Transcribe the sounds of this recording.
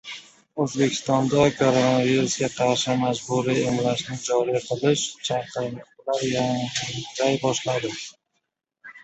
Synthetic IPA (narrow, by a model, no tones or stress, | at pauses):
ɵzbekʲʰɪ̥st̪ɒnd̪akʰoɾonaviɾusɡʲaqʰɑɾʃɪmad͡ʒbuɾɪemlaʃnɪd͡ʒɒɾiqʰɨlˠɪʃt͡ʃʰɑqɨɾlɨqlaɾjaɪk̚ʲt̪ʰajbɒʃlad̪ɪ